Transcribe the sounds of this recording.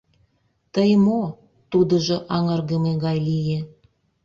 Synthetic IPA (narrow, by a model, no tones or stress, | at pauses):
t̪əjmo | t̪ud̪ə̆ʒɤ̆ʔɑŋɤrɣəmeɣɑjlije